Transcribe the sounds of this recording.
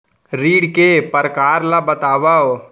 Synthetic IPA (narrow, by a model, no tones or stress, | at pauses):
ɾiːɽkepəɾkaːɾlabət̪aːʋaw